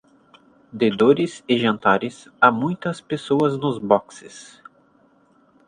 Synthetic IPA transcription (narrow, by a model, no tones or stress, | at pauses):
d̪ed̪oɾɪsɪʒɐ̃nt̪aɾɪs | amũj̃t̪ɐspesoɐznʊzbɔksɪ̰s